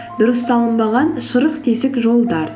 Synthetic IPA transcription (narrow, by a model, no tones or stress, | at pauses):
d̪ʊɾəsːɑlˠəmbɑʁɑnʃəɾəqt̪ʰesɪkʒo̞lˠd̪ɑɾ